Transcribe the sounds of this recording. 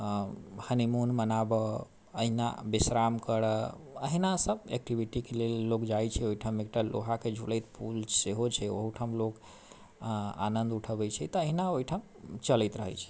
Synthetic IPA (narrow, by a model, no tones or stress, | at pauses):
hənimunmənabə | əɦina̰bisɾamkəɾə | əɦinasəbḛk̚ʈibiʈikelelːokd͡ʒajt͡ʃʰɛoiʈʰamek̚ʈalo̰ɦaked͡ʒʱuləjt̪pʰulseɦot͡ʃʰɛo̰ɦuʈʰamlok | a̰nənd̪uʈʰəbɛt͡ʃʰɛt̪ɔəɦinaoiʈʰam | t͡ʃəlɛt̪ɾəɦɛ̰jt͡ʃʰɛ̥